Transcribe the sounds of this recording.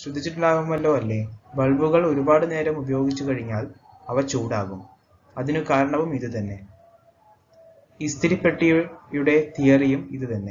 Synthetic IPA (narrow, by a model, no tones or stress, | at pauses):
sɾud̪ʱːit͡ɕːiʈːilaːɣumɐlːo̞ːɐlːe̞ːbɐɭbuɣɐɭo̞ɾubaːɽɨne̞ːɾɐmubɐjo̞ːɡit͡ɕːukɐɻiɲːaːl | ɐʋɐt͡ɕuːɽaːɣum | ɐðinukaːɾɐɳɐʋumiðut̪ɐnːe̞ | ist̪ʰiɾipːeʈːijujuɽe̞t̪ijɐrijumiðɨt̪ɐnːe̞